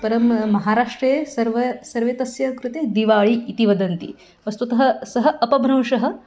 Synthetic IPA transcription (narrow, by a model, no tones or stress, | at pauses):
pɐɾɐmːɐɦaːɾaːʂʈɾɐjesɐɾʋɐsɐɾʋeːt̪ɐsjɐkɾut̪eːd̪iʋaːɭiʔːt̪iʋɐd̪ɐnt̪ḭ | ʋɐst̪ɐt̪ɐɦɐ̆sɐɦɐ̆ɐpɐbʱɾɐmʂɐɦɐ̆